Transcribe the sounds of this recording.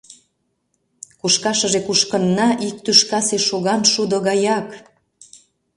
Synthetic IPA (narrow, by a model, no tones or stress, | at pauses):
kuʃkɑʃə̆ʒekuʃkənːɑʔik̚t̪yʃkɑseʃoɣɑnʃud̪oɣɑjɑk